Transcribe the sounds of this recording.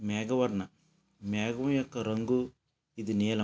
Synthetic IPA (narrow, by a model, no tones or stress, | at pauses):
meːɡɐʋɐɾnɐ | meːɡɐmɐjɐkːɐɾɐŋɡu | id̪uneːlɐ